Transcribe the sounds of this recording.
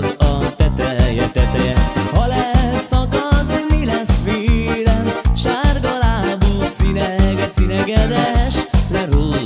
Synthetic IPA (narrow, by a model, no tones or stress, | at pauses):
ɒt̪ɛt̪ɾɛjɛt̪ɛt̪ɛjɛhɒlɛsɒkɒt̪ːemilɛsʋeːɾɛnʃarɡɒlaːbusinɛɡɛt̪sinɛɡɛd̪ɛʃlɛɾo